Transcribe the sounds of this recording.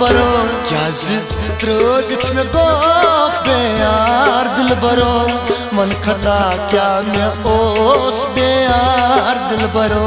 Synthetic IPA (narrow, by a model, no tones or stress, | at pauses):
bɐɾoː | kjaːzi | t̪ɾəd̪it̪ʰmẽɡoːpʰbeːjaːɾd̪ɪlbɐɾoː | mɐnkʰɐt̪aːkjaːmeoːsbeːjaːɾd̪ilbɐɾoː